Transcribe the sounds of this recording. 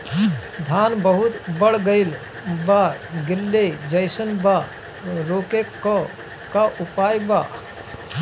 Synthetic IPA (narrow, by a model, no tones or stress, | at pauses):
d̪ʱaːnbəɦʊt̪bəɽ̤ɡəɪl | baɡɪlːed͡ʒəjsənbaː | ɾoːkeko | kaʔʊpaːjbaː